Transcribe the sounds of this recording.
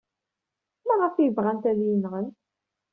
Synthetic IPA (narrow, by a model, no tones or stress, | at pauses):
mæʁəfjəvʁænt̪ælinʁən